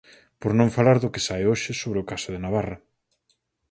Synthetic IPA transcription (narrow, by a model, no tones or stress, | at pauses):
poɾnõŋfalaɾðʊkɪsaeoʃɪsoβɾeʊkasʊðɪnaβarɐ